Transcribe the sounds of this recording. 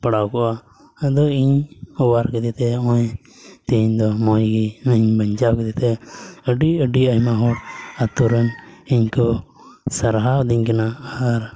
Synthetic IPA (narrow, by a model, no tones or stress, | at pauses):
pəɽawkɔʔa | əd̪ɔiɲɔwaɾkɛd̪it̪ɛɔ̃j | t̪ɛɲd̪ɔmɔjɡinəɲbəɲd͡ʒakɛd̪it̪ɛəɖiəɖiəjmaɦɔɾat̪uɾəniɲkɔ | səɾɦawd̪iɲkanaaɾ